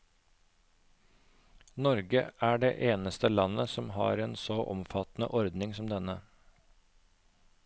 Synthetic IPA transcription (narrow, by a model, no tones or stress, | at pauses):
nɔɾɡəæːɖeːʔeːnəst̪əlɑnəsɔmhɑ̰ːɾeːnsɔʔɔ̰mfɑt̪nə̰ʔɔɾd̪nɪŋsɔmd̪ɛnə